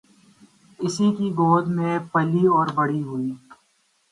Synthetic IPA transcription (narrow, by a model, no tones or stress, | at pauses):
ɪsikiɡoːd̪mẽpɐliɔːɾbɐɽiɦʊiː